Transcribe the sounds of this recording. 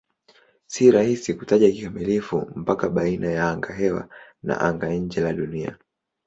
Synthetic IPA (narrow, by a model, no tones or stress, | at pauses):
siɾahisikutaʄakikamilifṵm̩pakaɓainajaaŋɡaɦɛwa̰na̰ʔaŋɡaɲ̩d͡ʒɛlaɗunia̰